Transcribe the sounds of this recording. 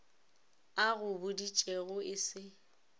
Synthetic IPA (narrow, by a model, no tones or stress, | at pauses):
aɣʊbʊdit͡ʃʼeɣʊɪsɪ